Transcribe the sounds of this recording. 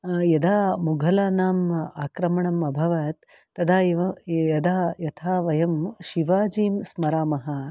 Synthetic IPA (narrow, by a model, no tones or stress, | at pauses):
jɐd̪aːmuɡʱɐlaːnaːmaːkɾɐmɐɳɐmɐbʱɐʋɐt̪ː | ɐd̪aːjʋɐjɐd̪aːjɐt̪ʰaːʋɐjɐmʃiʋaːd͡ʒiːmsmɐɾaːmɐɦɐ